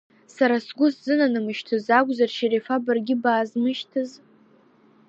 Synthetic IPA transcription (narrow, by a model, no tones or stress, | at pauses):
saɾasɡʷʊszɨnanɨmɨʃtʰɨzaɡʷzarʃiɾefabɨrɡʲɪbaːzmɨʃtʰɨz